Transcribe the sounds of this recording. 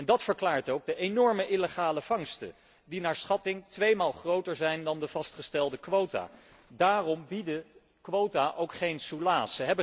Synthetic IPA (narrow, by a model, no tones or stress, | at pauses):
ɛndɑtfəɹklaːɹtowɡ̚dəʔenɔɹməʔɪləχaːləv̥ɑŋstə̰ | dinaːɹsχɑtɪŋtʋejmaːlˠχrowtəɹzɛjndɑndəv̥ɑstχəstɛlˠdəkʋowta̰ː | daːrɔmbidə | kʋowtaʔowkχejnsulaːsəɦɛbə